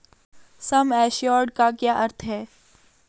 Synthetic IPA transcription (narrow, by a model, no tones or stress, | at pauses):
sɐmɛːʃijɔːɖ̚kakjaːʔɐɾt̪ʰɦɛː